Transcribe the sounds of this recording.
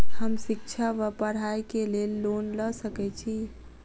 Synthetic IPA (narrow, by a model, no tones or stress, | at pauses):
həmsik̚t͡ʃʰaʋəpəɽ̤ajkelelːonləsəkɛt͡ʃʰi